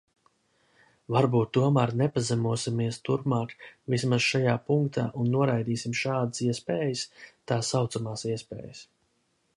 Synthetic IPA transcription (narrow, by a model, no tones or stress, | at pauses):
vaɾbuːt̪ːuɔmæɾnɛpazɛmuɔsimiɛst̪uɾpmaːkvismaz̥ʃajaːpuŋkt̪ʰa̰ːʔunːuɔɾajd̪iːsimʃaːd̪ɨsiɛspɛːjəst̪aːsːawt̪samaːsiɛspɛ̰ːjəs